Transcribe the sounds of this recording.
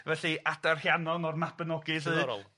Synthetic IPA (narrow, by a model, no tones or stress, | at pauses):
vɛɬiʔadarhjanɔnɔrmab̥ənɔɡɨsɨɾ̰lˠ